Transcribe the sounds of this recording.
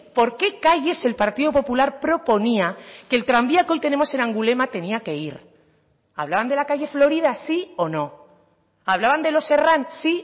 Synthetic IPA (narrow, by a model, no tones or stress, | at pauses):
po̞ɾke̞kaʝe̞se̞lpaɾt̪iðopo̞pulaɾpɾo̞po̞niake̞lt̪ɾambiakeo̞jt̪e̞ne̞mo̞se̞nãŋɡule̞mat̪e̞niake̞iɾ | a̰βlaβand̪e̞lakaʝeflo̞ɾiðasio̞no̞ | aβlaβand̪e̞lo̞se̞ransi